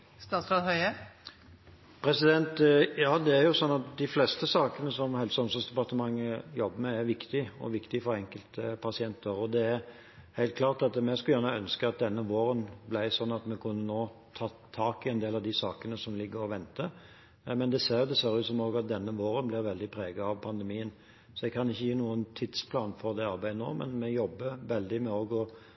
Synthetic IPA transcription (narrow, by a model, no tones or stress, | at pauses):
st̪ɑːt̪sɑd̪hœʏə | pʰɾɛsɪd̪ɛnt̪jɑːd̪ɛæɾjʊsɔnːɑt̪̚d̪ɪflɛst̪əsɑːkənəsɔmhɛlsəɔmsɔsd̪ɛpɑʁt̪əmɑŋːəjɔbːəmɛːɾʋɪkt̪ɪɔ̰ʋɪkt̪ɪfɔɾɛŋkəlt̪əpʰɑsɪɛnt̪əɾɔd̪ɛæɾ | hæɪlt̪klɑːʁt̪ɑt̪mɛskljæːʁnəɔœnskəɑt̪̚d̪ɛnːəʋoːɾənblæɪsɔnːɑt̪mɛkʰʉnːənoːt̪ʰɑː | t̪ʰːɑːkɪɛnd̪eːlɑʋd̪ɪsɑːkənəsɔmlɪɡːəɾɔʋɛnt̪ə | mɛnd̪ɛseːɾjʊd̪ɛseːɾjʊsɔmoːɡɑt̪̚d̪ɛnːəʋoːɾənblɪɾʋɛld̪ɪpʰɾeːɡɑɑʋpʰɑnd̪əmiːən | sɔɛɡ̚kʰɑnɪçːəjiːnuːənt̪ʰɪd̪spʰlɑːnfɔʁd̪ɛɑɾbæɪd̪əno̰ːmɛ̰nmɛjɔbːəɾʋɛld̪ɪmɛoːɡɔ